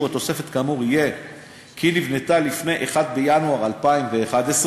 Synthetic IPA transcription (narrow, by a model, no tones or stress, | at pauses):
at̪o̞se̞fe̞t̪kamuʁije̞ | kinivnet̪alifne̞jʔeχad̪̚bejanuaʁalpaimveːχad̪es